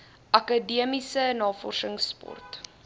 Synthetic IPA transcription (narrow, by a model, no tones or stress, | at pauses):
ʔɐkədiəmisənɑːfɔ̰rsəŋspɔ̰rt